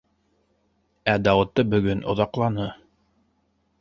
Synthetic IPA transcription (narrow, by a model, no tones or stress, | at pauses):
æd̪ɑwɤ̆t̪ːɤbɵ̆ɡɵnʔŏ̰ðɑqlˠɑnɤ